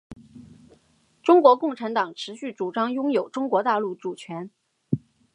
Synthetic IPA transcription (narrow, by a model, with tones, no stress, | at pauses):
ʈ͡ʂʊ˥ŋkwɔ˧˥kʊ˥˩ŋʈ͡ʂʰa˧˥nt̪ɑ˨˩ŋʈ͡ʂʰɻ̩˧˥ɕy˥˩ʈ͡ʂu˨˩ʈ͡ʂɑ˥ŋjʊ˥ŋjo˨˩ʊʈ͡ʂʊ˥ŋkwɔ˧˥t̪a˥˧lu˥˩ʈ͡ʂu˨˩t͡ɕʰɥɛ˧˥n